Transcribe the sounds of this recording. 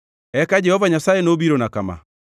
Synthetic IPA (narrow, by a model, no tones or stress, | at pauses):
ɛkad͡ʒɛhɔvaɲasaɛnobiɾonakama̰